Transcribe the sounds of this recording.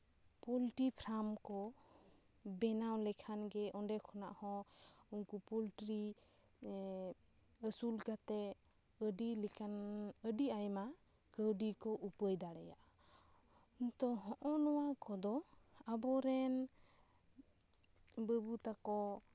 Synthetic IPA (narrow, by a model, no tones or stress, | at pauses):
pɔlʈipʰɾamkɔ | bɛnawlɛkʰanɡɛɔnɖɛkʰɔna̰ʔhɔ̃ | unkupɔlʈɾi | əsulkat̪ɛ | əɖilɛkʰanəɖiajma | kəwɖikɔʔupəjd̪aɽɛjaʔ | nt̪ɔɦɔʔɔnɔwakɔd̪ɔabɔɾɛn | bəbut̪akɔ